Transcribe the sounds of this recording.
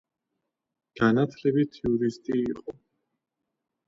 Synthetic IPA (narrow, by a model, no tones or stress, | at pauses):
ɡ̥anat̪ʰlɛbitt̪ʰːiuɾist̪ʼiːqʼɔ